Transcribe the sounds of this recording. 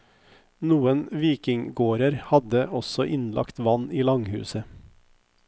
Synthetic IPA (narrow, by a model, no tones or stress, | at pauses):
nuːənʋiːkɪŋɡoːɾəɾhɑd̪əʔɔsɔʔɪnlʔɑ̰kt̪ʋɑniːlɑŋhʉ̰ːsə